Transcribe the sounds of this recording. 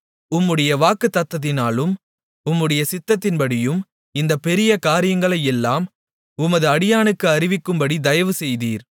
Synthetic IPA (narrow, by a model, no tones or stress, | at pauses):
ʊmːɯɽɐjɐʋaːkɯt̪ːɐt̪ːɐðɪnaːlɯm | ʊmːɯɽɐjɐsɪt̪ːɐt̪ːɪnpɐɽɪjɯm | ɪnd̪ɐpɛɾɪjɐkaːɾɪjɐŋɡɐɭɐjɛlːaːm | ʊmɐðɯɐɽɪjaːnɯkːɯɐɾɪʋɪkːɯmbɐɽid̪ɐjɐʋɯsɛjðiːɾ